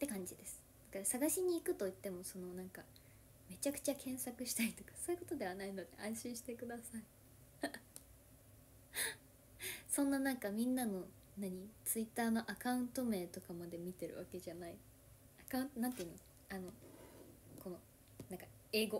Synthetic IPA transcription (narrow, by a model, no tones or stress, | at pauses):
t̪ːe̞kãɲ̟d͡ʑid̪e̞sɨ̥d̪̥akaɾsaɡaɕiɲ̟iːkɯ̟t̪o̞it̪ːe̞mo̞so̞no̞nãŋka | me̞t͡ɕakɯ̟̥t͡ɕakʰẽ̞ɰ̃sakɯ̟ɕi̥t̪ait̪o̞̥kḁso̞ːjɯ̟kot̪o̞d̪e̞β̞anaino̞d̪e̞ʔãɰ̃ɕĩɰ̃ɕi̥t̪e̞kɯ̟d̪asai | sõ̞nːanãŋkamʲĩnːano̞ | naɲ̟it͡sɨit̪ːaːno̞ʔakaɯ̟̃nt̪o̞me̞ːt̪o̞kamad̪e̞mʲit̪e̞ɾɯ̟βake̞ʑanai | akãɯ̃nt̪onãnt̪eiɯ̟no | ano̞ | ko̞no̞ | nãŋka | e̞ːɡo̞